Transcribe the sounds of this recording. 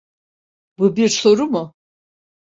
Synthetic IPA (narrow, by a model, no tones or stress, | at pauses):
bubiɾso̞ɾumʊ